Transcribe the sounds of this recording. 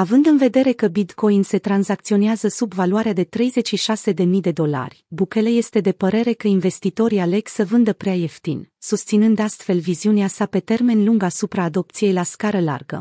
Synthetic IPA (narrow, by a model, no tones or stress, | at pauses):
avɨnd̪ɨnve̞d̪e̞ɾe̞kəbit̪ko̞jinse̞t̪ɾanzak̚t̪sio̞neazəsubvaluaɾead̪e̞t̪ɾe̞jze̞t͡ʃʃiʃase̞d̪e̞mijd̪e̞d̪o̞la̰rʲbuke̞le̞je̞st̪e̞d̪e̞pəɾe̞ɾe̞kəinve̞st̪it̪o̞ɾiale̞ksəvɨnd̪əpɾeaje̞ft̪insust̪sinɨnd̪ast̪fe̞lviziuneasape̞t̪e̞rme̞nluŋɡasupɾaːd̪o̞p̚t̪sije̞jlaskaɾəla̰rɡə̰